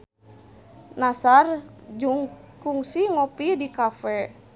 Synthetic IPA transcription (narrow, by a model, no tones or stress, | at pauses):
nasard͡ʒuŋkuŋsiŋɔpidikafɛ